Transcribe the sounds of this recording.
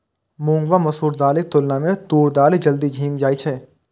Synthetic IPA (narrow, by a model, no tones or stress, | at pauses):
mʊ̃ːŋɡʋamɐsuːɾd̪aːlet̪ʊlnamẽt̪uːɾd̪aːled͡ʒɐld̪id͡ʒʱiːmd͡ʒaːit͡ʃʰɛː